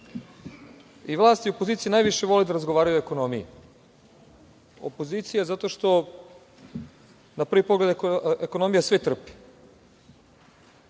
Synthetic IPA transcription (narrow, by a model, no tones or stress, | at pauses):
iʋlˠaːst̪jiuopoziːt̪sijinaːjʋiʃeʋo̞led̪aɾazɡoʋaːɾajueko̞nomijḭ | o̰po̞ziːt̪sijazat̪o̞ʃt̪o̞ | napr̩ʋipoɡle̞d̪eko̞no̞mijasʋet̪r̩pi̥